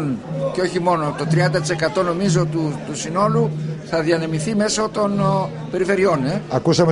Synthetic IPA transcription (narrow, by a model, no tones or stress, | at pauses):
nceo̞çimo̞no̞t̪o̞t̪ɾiɐnd̪ɐt̪i̥se̞kɐt̪o̞no̞mizot̪ut̪usino̞luθɐðiɐne̞miθime̞sot̪o̞n | pe̞ɾife̞ɾio̞ne̞ɐkusɐme